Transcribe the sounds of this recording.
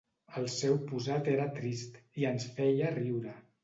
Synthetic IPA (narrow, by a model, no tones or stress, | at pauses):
əlˠsɛwpuzat̪eɾət̪ɾist̪iənsfɛjəriwɾə